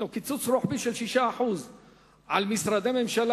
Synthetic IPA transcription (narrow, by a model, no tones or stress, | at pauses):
ukit͡sut͡sɾoħbiʃelʃiʃaːħuz | ʕalmisɾad̪ememʃal